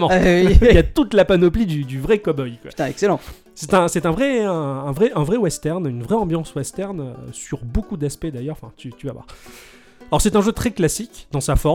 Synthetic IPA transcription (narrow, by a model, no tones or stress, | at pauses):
mɑ̃iijat̪ut̪lapanɔplid̪yd̪yvʁɛkɔbɔjkwat̪ɛ̃ɛkselɑ̃ | sɛt̪ɛ̃sɛt̪ɛ̃vʁɛɛ̃ːvʁɛʔɛ̃vʁɛwɛst̪ɛʁnynvʁɛɑ̃bjɑ̃swɛst̪ɛʁnø̰syʁbokud̪aspɛd̪ajœʁɑ̃fɛ̃t̪yt̪yvavwa̰ʁ | alɔʁsɛt̪ɛ̃ʒøt̪χɛklasikd̪ɑ̃safɔʁ